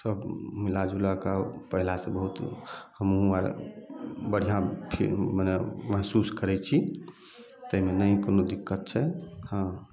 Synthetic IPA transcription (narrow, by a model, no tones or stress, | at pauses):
səbmilad͡ʒulakapəɦilasẽbəɦut̪həmɦuəɾ | bəɽ̤ijapʰḭməneməɦsuskəɾɛt͡ʃʰi | t̪əɦimenəikonod̪ikːət̪̚t͡ʃʰɛhã